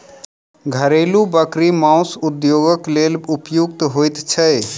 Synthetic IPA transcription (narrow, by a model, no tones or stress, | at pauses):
ɡʱəɾelubəkɾimãʊsud̪joɡəklelupjuk̚t̪ɦojt̪t͡ʃʰəj